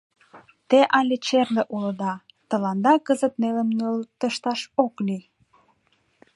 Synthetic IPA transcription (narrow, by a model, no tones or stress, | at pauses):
t̪eʔɑlʲet͡ɕerleʔulə̆d̪ɑ | t̪ə̆lɑnd̪ɑkəzət̪neləmnølt̪əʃt̪ɑʃokli